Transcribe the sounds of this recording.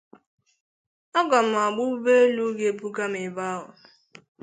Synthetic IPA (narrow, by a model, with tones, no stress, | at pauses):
ɔ˦ɡɔ˨m̩˨a˨ɡ͡bʊ˦u˦be˦lu˦ɡe˦bu˦ɡa˦mɪ˨ba˦ɦʊ˨